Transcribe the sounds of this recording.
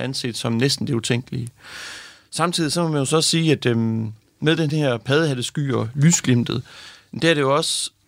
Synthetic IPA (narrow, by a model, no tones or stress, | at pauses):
ænse̝d̥sɒ̽mnesd̥n̩d̥e̝ut͡sʰeŋ̰ɡ̥əli | sɑ̈mt͡sʰið̰ˠisɒ̽mɒmænjo̝sɒɒsiːæd̥ø | meðˠd̥enheɐ̰pʰɛð̞ˠəɦæðˠəsɡ̥y̰ːɒ̽lysɡ̥lem̰d̥ð̩ˠmnd̥ææɐɾ̥e̝jo̝ɒ̽s